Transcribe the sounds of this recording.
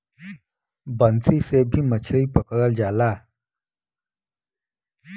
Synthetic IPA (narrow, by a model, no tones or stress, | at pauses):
bənt͡sisebʱimət͡ɕʰəɭiːpəkəɾəld͡ʑala